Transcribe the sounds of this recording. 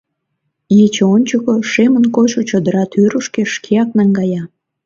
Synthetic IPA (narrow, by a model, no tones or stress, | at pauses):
jet͡ɕeonʲt͡ɕokoʃemənkoʃot͡ɕod̪əɾɑt̪yɾəʃkeʃkʰeɑk̚nɑŋɡɑjɑ